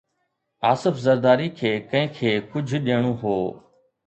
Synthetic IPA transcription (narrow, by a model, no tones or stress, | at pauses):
aːsɪfzɐɾd̪aːɾikʰeːkɐ̃ɦɪ̃kʰeːkʊd͡ʑʱɗiəɽ̃ũːɦoː